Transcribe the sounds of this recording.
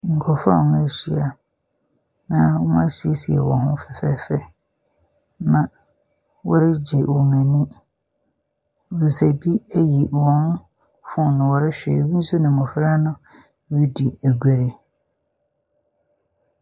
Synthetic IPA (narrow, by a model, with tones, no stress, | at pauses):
ŋ̩˨kʰɔ˨fa̰˦˨ŋ˦ɛ˨ɕi˨˦a˨ | nã˨˦mã˦ɕi˨e˦si˨ɛ̰˨wɔ̰̃˨ɦʊ̃˦fɛ˨fɛ˦fɛ˦ | nã˨ | wɔ˦ɾɪ˦d͡ʑɛ˨ʔɔ˨mɛ̃˨nɪ̃˦ | wu˨sæ˨bi˦æ˦ji˨wɔ̃˨˦n˦ | fʊ̃˦nʊ̃˨wɔ˨ɾɪ˦ɕᶣɛ̰˨wi˦n̩˦su˦nɪ̃˨mɔ̃˨fɾa˦nʊ̃˦ | ɥi˦di˨æ˨ɡʷɛ˨ɾe˨